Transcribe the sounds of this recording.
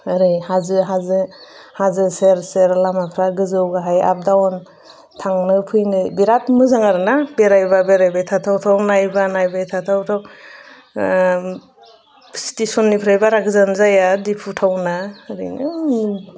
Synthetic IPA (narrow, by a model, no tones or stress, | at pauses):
ɾɯjhazɯɦazɯhazɯseɾseɾlamapʰɾaɡɯzɯwɡaɦaja̰p̚dawn | tʰaŋnɯpʰɯjnɯbiɾatmɯzaŋaɾnabeɾajbabeɾajbajtʰatʰawtʰawnajbanajbajtʰatʰawtʰaw | si̥tesɔnːipʰɾajbaɾaɡɯzanzajadipʰutʰawnaɾɯ̰jnɯ